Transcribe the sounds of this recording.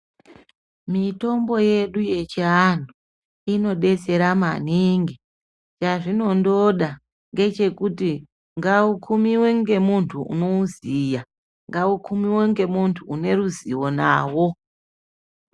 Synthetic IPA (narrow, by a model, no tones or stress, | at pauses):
mito̞mbo̞je̞ɗuje̞t͡ʃiantu | ino̞ɗe̞t͡se̞ɾama̰niŋɡi | t͡ʃaʐino̞ndo̞ɗa | ŋɡe̞t͡ʃe̞kuti | ŋɡaukʰumiweŋɡe̞muntʰuṵno̞uzija | ŋɡaukʰumiweŋɡe̞muntʰuːne̞ruziwo̞na̰ːwo̞